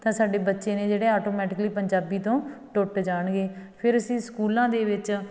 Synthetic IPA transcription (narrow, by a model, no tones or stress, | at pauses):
t̪ãːsaːɖeːbətːʃeːneːd͡ʒeːɽeːɔːʈoːmɛːʈɪkliːpəɲd͡ʒaːbiːt̪õːʈʊʈd͡ʒaːɳɡeːpʰɪɾəsĩːskuːlãːd̪eːʋɪt͡ʃ